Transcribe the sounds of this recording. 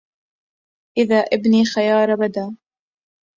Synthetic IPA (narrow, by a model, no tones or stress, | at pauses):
ʔɪðaːʔɪbniːxajɑːɾˤɑbad̪aː